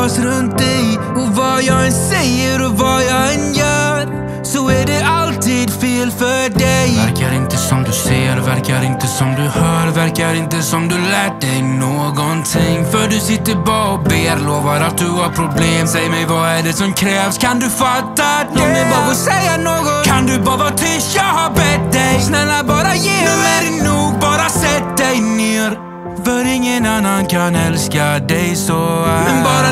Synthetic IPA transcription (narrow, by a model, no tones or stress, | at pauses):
sɾɵnt̪̚d̪ɛj | ɔvajɑːɛnsɛjəɾɔvajɑɛnjœːɾ | sɔæɖɛalt̪ʰid̪feːlfœɖɛjvɾkaɾɪnt̪əsɔmd̪ɵsejːəɾvæɾkaɾɪnt̪əsɔmd̪ɵhœːɾvæɾkaɾɪnt̪əsɔmd̪ɵlɛːʈ̚dɛjnoːɡɔnt̪ʰɪŋːfœɖɵsɪt̪ːəɾbɑːɾɔbeːɾloːvaɾat̪̚d̪ɵhaɾpʰɾʊbleːmsɛjəɾmɛjvaæɖɛsɔmkʰɾɛːvskʰand̪ɵfat̪ːad̪ɔmɛbɑːɡɔsɛjːanoːɡɔt̪kʰand̪ɵbɑːvat̪ʰʏsjahabɛt̪̚d̪ɛjsnɛlːabɑːɾajeːd̪ʉæɾɛnuːɡ̚bɑːɾasɛt̪̚d̪ɛjneːɾ | fœɾɪŋːənanːankʰanɛlskad̪ɛjsɔɛnbɑːɾa